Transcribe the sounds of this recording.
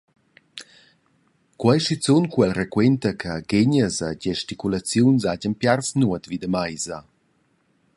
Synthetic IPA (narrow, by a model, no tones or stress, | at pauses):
kwajʃit͡sunkwɛlrɛkwɛntəkʰəɡeɲəzaɟɛʃtikulat͡sjunsaɟənpjarsnuət̪vid̪əmajza